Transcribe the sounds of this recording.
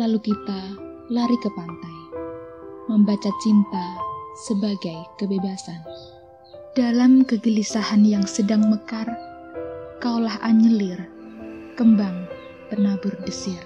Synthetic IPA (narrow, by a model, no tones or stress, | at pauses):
lalukit̪a | laɾikəpant̪aj | məmbat͡ʃat͡ʃint̪asəbaɡajkəbebasan | d̥alamkəɡəlisahanjaŋsədaŋməkar | kawlahʔaɲəlɪr | kəmbaŋ | p̪ənabʊrdəsɪr